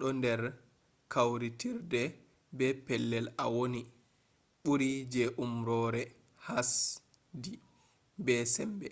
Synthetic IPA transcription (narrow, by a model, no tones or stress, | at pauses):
ɗɔndɛɾ | kʰawɾitiɾdɛ | bɛpɛlːɛlawoni | ɓuɾid͡ʒɛʔumɾɔːɾɛ | has | di | bɛsɛmbɛ